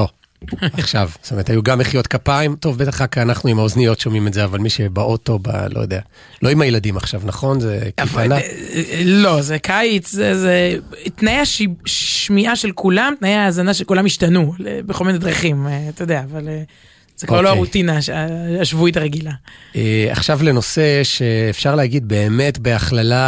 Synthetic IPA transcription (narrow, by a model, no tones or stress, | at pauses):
o | aχʃavst̪omeetʰajuɡameχijot̪kapaimto̞vbet̪aχakaanaχnuimaoznijo̞tʃo̞mimetzeavalmiʃebaʔoto̞ba̰lo̰jod̪ea | lo̞imajeladimaχʃavnaχo̞nzekavana | lo̞zekʰajit͡szezet̪najeaʃiʃmiʔaʃe̞lkʰulamt̪najeaːzanaʃelkulamiʃtanulḛbeχomenad̪ʁaχimt̪ajod̪eaːvale | z̥ekvaʁloaʁut̪inaaaʃvujt̪̬aʁeɡilaea̰χʃavle̞no̞se̞ʃe̞ːfʃaʁleɦaɡid̪̚be̞ːme̞tbe̞aχlala